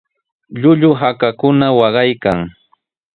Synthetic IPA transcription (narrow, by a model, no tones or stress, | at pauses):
ʎʊʎʊɦakakʊnawɑɢɑjkaŋ